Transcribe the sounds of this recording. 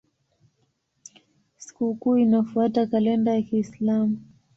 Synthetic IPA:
si̥kukuːinafuatakalɛndajakiːslamu

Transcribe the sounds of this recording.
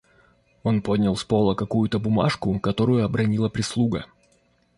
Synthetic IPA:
o̞npo̞dʲnʲɪlˠspo̞lˠəkɐkujʊt̪əbʊma̰ʂkʊkɐt̪o̞ɾʊjʊɐbɾɐnʲilˠəpɾʲɪslˠuɡə̰

